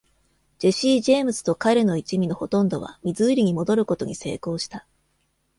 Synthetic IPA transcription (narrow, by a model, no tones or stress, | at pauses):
d͡ʑe̞ɕiːʑeːmɯ̟sɨ̥t̪o̞kaɾe̞no̞it͡ɕimʲino̞ho̞t̪õ̞nd̪o̞β̞a̰mʲizɨːɾʲiɲ̟imo̞d̪o̞ɾɯ̟ko̞t̪o̞ɲ̟ise̞̰ːko̞ːɕi̥t̪a